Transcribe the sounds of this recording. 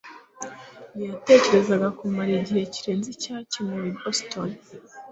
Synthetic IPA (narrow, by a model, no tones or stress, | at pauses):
nijate̞ce̞ɾe̞zaɡakumaɾiɟihe̞ciɾeːnzicaːcimŋeɾiboston